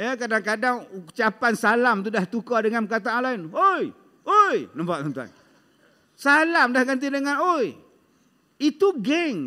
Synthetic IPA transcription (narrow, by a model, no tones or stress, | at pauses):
jəkadaŋkadaŋut͡ʃapansalamt̪udaht̪ukɔdəŋanpəkat̪̬aalaɪnoj | ojnəmpat̪̚t̪ɔnt̪ua̰n | salamdahɡant̪̬idəŋanoj | it̪uɡɛŋ